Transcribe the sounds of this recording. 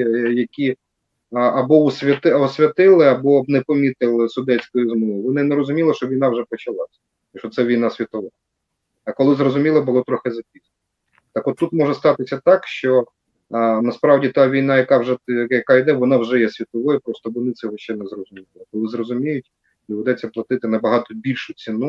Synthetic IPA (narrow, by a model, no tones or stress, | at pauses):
jɐkʲi | ɐbɔɔsʲʋʲɐt̪ɪɔsʲʋʲɐt̪ɪlˠɪɐbɔnɛpɔmʲit̪ɪlˠɪsʊd̪ɛt͡sʲkɔjʊzmɔjʊʋɔnɪnɛɾɔzʊmʲilˠɔʃt͡ʃɔʋʲijn̪ɑwʒɛpɔt͡ʃɐlˠɑsʲɐ̥ | iʃɔt̪sɛʋʲijn̪asʲʋʲit̪ɔʋɔ | ɐkɔlˠɪzrɔzʊmʲilˠɪbʊlˠɔt̪ɾɔxɪzɐpʲisʲ | t̪ɑkɔt̪ːut̪mɔʒɛst̪ɑt̪ɪsʲɐt̪ɑkʃt͡ʃɔ | nɐspɾɑwdʲit̪ɑʋʲijn̪ɑjɐkɑwʒɛjɐkaid̪ɛʋɔnɑwʒɛjɛsʲʋʲit̪ɔʋɔjʊpɾɔst̪ɔʋɔnɪt̪sʲɛɦɔʃt͡ʃɛnɛzrɔzʊmʲilˠɪkɔlˠɪzrɔzʊmʲijʊtʲ | iʋʊd̪ɛt͡sʲːɐplˠɐt̪ɪt̪ɪnɐbɐɦɑt̪ɔbʲilʲʃʊt͡sʲinu